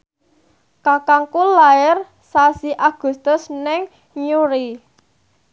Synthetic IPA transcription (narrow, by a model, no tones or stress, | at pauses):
kakaŋkulaɛr | sasiʔaɡ̥ṳst̪ʊsnɛŋ | ɲuɾi